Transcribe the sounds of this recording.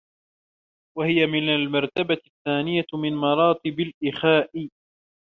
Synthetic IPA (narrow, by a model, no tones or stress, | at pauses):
wahɪjamɪnalmɑɾˤt̪abaθːaːnɪjamɪnmɑɾˤɑːt̪ɪbalʔɪxaːʔɪ